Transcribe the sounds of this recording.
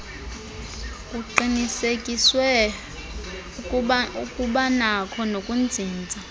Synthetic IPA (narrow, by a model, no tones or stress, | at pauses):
kʼuǃinisekʼiswɛ | ukʼuɓanakʰɔnokʼund͡zʱiːnd͡zʱa